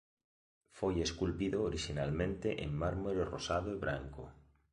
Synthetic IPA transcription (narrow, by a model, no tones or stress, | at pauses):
fojeskulpiðoːɾiʃinalmẽnt̪eʔemːaɾmoɾorosaðoeβɾaŋko̰